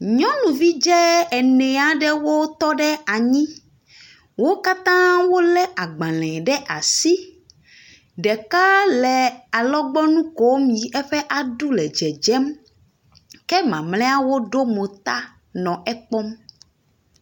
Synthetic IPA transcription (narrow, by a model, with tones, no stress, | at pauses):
ɲɔ̃˦nũ˨vi˦d͡ʒɛ˦ɛ˨nɛ̃˨a˨ɖɛ˦wo˦t̪ɔ˦ɖɛ˦a˨ɲĩ˦ | wo˦ka˦t̪ã˦wo˦lɛ˦ʔa˨ɡ͡bã˨lɛ̃˨ɖɛ˦ʔa˨si˦ | ɖɛ˨ka˦lɛ˨a˨lɔ˦ɡ͡bɔ˦nũ˦ko˨˦mĩ˨ɛ˦ɸɛ˦ʔa˨ɖu˦lɛ˨d͡ʒɛ˨d͡ʒɛ˦m | kɛ˦mã˨mlɛ̃˦a˦wo˦ɖo˦mo˨t̪a˦ | nɔ̃˨ʔɛ˦k͡pɔ˦m